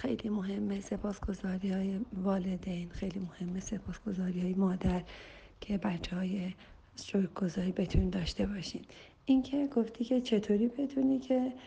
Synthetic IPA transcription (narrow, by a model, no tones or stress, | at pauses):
xḛjlimo̞ɦe̞mːese̞pʰɒːsɡ̥o̞zɒːɾiːɒːjevɒːle̞d̪ejnxejliːmohe̞mːe̞se̞pʰɒːsɡ̥o̞zɒːɾihɒːjemɒːd̪æɾ | cʰe̞bæt͡ʃʰːɛhɒːje̞ | soɡ̥o̞zɒːɾiːbe̞t̪ʰunid̪ɒːʃt̪e̞bɒʃḭn | ʔincʰe̞ɡoft̪ʰiːcʰe̞t͡ʃʰe̞t̪ʰoːɾiːbe̞t̪ʰunicʰe̞